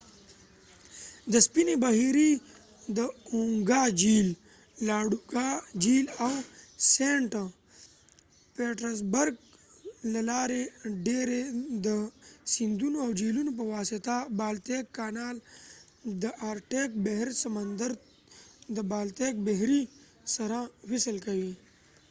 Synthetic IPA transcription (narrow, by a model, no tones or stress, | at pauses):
d̪əspinebaɦiɾi | d̪əuŋɡaːd͡ʒiːlː | aːɽuɡad͡ʒiːlawseɳʈ | peːʈɾɐs̬bɐɾɡlɐlaːɾeɖeːɾed̪əsind̪unoawd͡ʒiːlunop̬ɐʋaːsit̪abaːlt̪eːkːaːnaːl | d̪əʔaːɾʈeːk̚beɦɾsɐmənd̪əɾ | d̪əbaːlt̪ek̚beɦɾi | sɐɾawisəlkɐwiː